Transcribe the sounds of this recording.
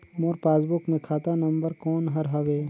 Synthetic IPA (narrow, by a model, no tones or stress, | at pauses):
moːɾpaːsbʊkmẽkʰaːt̪anɐ̃mbəɾkɔːnɦɐɾɦɐʋeː